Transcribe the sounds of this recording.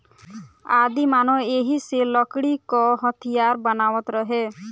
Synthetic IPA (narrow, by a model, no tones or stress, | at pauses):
ad̪imanɔeɦiselɔkɽikɔɦɔt̪ʰijaɾbɔnawɔt̪ɾɔɦe